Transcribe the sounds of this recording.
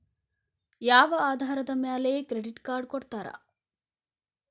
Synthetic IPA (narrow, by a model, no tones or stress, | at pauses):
jaːʋɐaːd̪ʱaːɾɐd̪ɐmjaːlekɾeɖiʈkaːɾɖ̚kɔɽt̪aːɾɐ̰